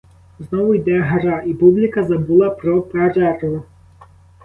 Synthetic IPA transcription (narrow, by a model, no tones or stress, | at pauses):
znɔvʊjd̪ɛɦaɾaʔipublʲɪkɐzabulˠapɾɔpaɾaɾu